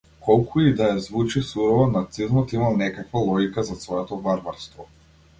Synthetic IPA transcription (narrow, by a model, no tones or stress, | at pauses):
kʰɔlˠkʰuid̪ajazvut͡ʃisuɾɔvɔnat̪sizmɔt̪imalnɛkakvalˠɔɡʲikazasvɔɛt̪ɔbaɾbaɾst̪vɔ